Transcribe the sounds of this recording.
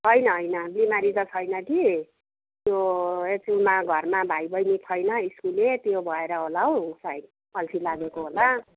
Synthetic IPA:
ɦʌjnʌɦʌjnʌbimaɾit̪ʌt͡sʰʌjnʌki | t̪joet͡sumaɡʱʌrmabʱajbʱʌjnit̪ʰʌjnʌiskulet̪jobʱʌeɾʌɦolaɦosajd̪̚ | ʌlsʰilaɡekoɦola

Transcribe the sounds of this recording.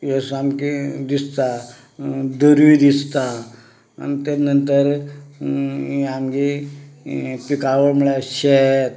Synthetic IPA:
jəsamkid̪ist̪a | d̪əɾʋid̪ist̪a | a̰nt̪enənt̪əɾ | iamɡi | pikaʋəɭmuɭaɕet̪

